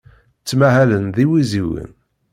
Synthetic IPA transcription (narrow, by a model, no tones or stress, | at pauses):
t͡sːmæɦælənðiwiziwə̰n